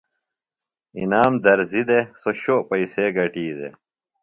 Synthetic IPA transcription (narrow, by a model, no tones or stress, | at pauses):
ḭnaːmd̪ɐɾzid̪esoɕopɐiseɡɐʈiːd̪ḛ